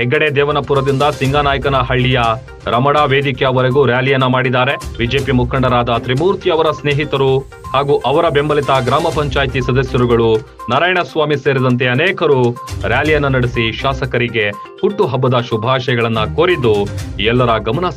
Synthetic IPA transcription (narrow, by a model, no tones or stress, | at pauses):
ɦɛɡːɐɽed̪ɛːʋɐnɐpuɾɐd̪ind̪ɐsiŋɡaːnaːjɐkɐnɐɦɐɭːijɐ | ɾɐmɐɽaːʋe̞ːd̪ikɛjɐʋɐɾeɡuːɾjaːlijɐnːɐmaːɽid̪aːɾe̞bid͡ʒeːpjɐmukʰɐɳɖɐɾaːd̪ɐt̪ɾimuːɾt̪ʰiɐʋɐɾɐsneːɦit̪ɐɾu | haːɡuːʔɐʋɐɾɐbe̞mbɐlit̪ɐɡɾaːmɐpɐɲt͡ʃaːjt̪isɐd̪ɐsjɐɾuɡɐɭu | nɐɾaːjɳɐsʋaːmiseːɾid̪ɐnt̪̬e̞ɐneːkɐɾuɾjaːlijɐnːɐnɐɽisiʃaːsɐkɐɾiɡe̞ | huʈːuɦɐbːɐd̪ɐʃubʱaːʃɐjɐɡɐɭɐnːɐkoːɾid̪ːuiɛlːɐɾɐɡɐmɐnɐs